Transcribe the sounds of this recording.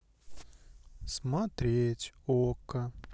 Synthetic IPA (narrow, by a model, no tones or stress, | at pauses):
smat̪ɾʲetʲokːə